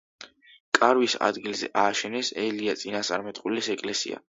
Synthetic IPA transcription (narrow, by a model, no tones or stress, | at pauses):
kʼaɾwisa̰d̪ɡilzɛ̰ʔaːʃɛnɛsɛliat̪sʼinast̪ʼaɾmɛt̪ʼqʼulɛsɛkʼlɛsḭa̰